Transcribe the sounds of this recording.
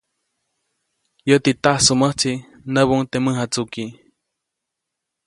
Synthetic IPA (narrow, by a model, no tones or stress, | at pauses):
jət̪it̪ahsuməht͡si | nəβuŋt̪eməɦat͡suki